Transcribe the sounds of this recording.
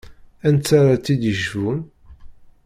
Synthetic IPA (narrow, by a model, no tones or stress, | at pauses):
ænt͡sːaɾˤat͡sːid̪əʒun